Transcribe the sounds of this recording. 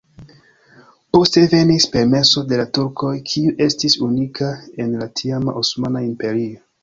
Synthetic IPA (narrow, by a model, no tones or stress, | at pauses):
po̞ste̞ve̞nispe̞ɾme̞so̞de̞latuɾko̞jkʰiuʔe̞stisunikae̞nlatʰiama̰ʔosmanaimpe̞ɾio